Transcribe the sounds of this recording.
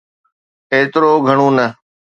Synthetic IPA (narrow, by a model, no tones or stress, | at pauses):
eːt̪ɾoːɡʱəɽ̃ũːnə